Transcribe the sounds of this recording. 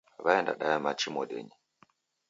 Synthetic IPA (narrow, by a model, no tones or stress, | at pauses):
βaɛnda̰ɗajamat͡ʃimɔɗɛ̰ɲi